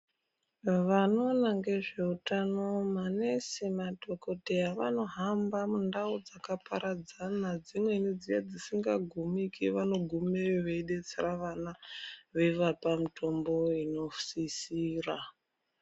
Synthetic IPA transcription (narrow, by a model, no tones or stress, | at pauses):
ʋano̞naŋɡe̞ʐe̞utano̞manesemato̞ko̞tejaʋano̞ɦambamundaud͡zakapʰaɾad͡zanad͡zimwe̞ned͡zijad͡zisiŋɡaɡʱumikiʋano̞ɡʱumeʋeiɗet͡seraʋanaʋeiʋapamitʰo̞mbo̞ino̞sisiːra